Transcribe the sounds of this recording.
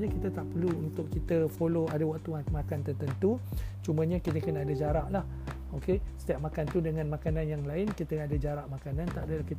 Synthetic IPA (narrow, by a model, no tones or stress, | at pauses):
ɲãkit̪ət̪aʔpərluunt̪ʊʔkit̪əfoloadawaʔt̪umakant̪ərt̪ənt̪ut͡ʃumãɲãkit̪əkənaːdad͡ʒaɾaʔlah | okesə̥t̪iap̚makant̪udəŋãnmãkanãnjaŋlaɪnkit̪əadad͡ʒaɾaʔmakanãnt̪aʔadəlahkit̪